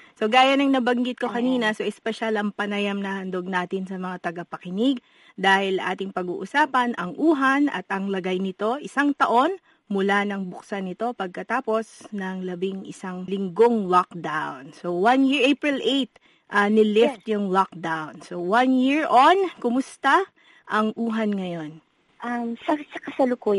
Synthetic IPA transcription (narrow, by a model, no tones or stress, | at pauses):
so̞ɡaːjɐnɐŋnɐbɐŋɡɪt̪̚kokɐniːnɐso̞ʔɛspɛʃalɐŋpɐnɐjamnɐhɐnd̪oɡ̚naːt̪ɪnsɐmɐŋat̪ɐɡɐpɐkɪnɪɡ | d̪aːhɪlɐŋʔaːt̪ɪŋpɐɡṵːʔʊsaːpɐnʔɐŋʔuːɦɐnʔɐ̰t̪ʔɐŋlɐɡajnɪt̪o̞ʔɪsaŋt̪ɐʔo̞n | mʊlanɐŋbʊksanɪt̪o̞pɐɡ̚kɐt̪aːpo̞snɐŋlɐbɪŋɪ̰saŋlɪŋɡoŋlok̚d̪awnsowanjiɹʔejpɹɪlʔejt̪̚ | ʔɐnɪlɪft̪jʊŋlok̚d̪awnsowɐnjiɹʔonkʊmʊst̪a | ʔɐŋʔuːɦɐnŋɐjo̞n | ʔamsɐsɐkɐsɐlʊku